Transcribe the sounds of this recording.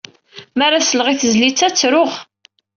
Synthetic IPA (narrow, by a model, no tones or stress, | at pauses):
mæɾasəlʁiθəzlit͡sːæt͡sːɾʊʁ